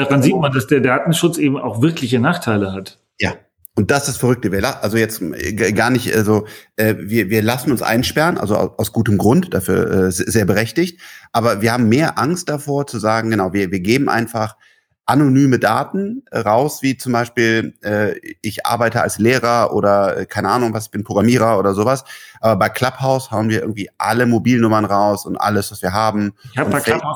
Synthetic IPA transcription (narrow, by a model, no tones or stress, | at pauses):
d̥aʁanziːtmandasd̥eːɐdaːtn̩ʃʊt͡sʔeːbm̩a̰ʊxv̥ɪɐklɪçənaːχtʰaɪləɦat | jaː | ʔʊnt̚d̥asɪsd̥asfɛʁʏk̚təviːɐlaʔalzojɛt͡stɡaːɐnɪçtʔalzoʔɛːviːɐviːɐlasn̩ʊnsʔa̰ɪnʃpɛʁənʔa̰lzoa̰ʔaʊsɡ̥uːtəmɡʁʊntd̥afyːɐʔɛːzzeːɐbəʁɛçtɪçtʔaːbɐviɐhaːbm̩mːeːɐʔaŋst̚d̥afoːɐt͡suzaːɡŋ̩ɡənaʊviːɐviːɐɡeːbm̩ʔa̰ɪnfaχ | ʔanonyːmədaːtn̩ɛʁaʊsv̥iːt͡sʊmbaɪʃpiːlʔɛːʔɪçʔa̰ɐbaɪtəa̰lsleːʁ̞ɐʔo̰ːɾɐɛ̰ːkʰaɪnəʔaːnʊŋvasɪçb̥ɪnpʁ̥oɡʁamiːʁ̞ɐʔoːɾɐzoːvasʔaːbɐbaɪkʰl̥aphaʊshaʊənviɐʔɪɐɡŋ̩tv̥iːʔa̰ləmobiːlnʊmɐnʁaʊsʊntʔa̰ləsv̥asv̥iːɐɦaːbm̩ʊn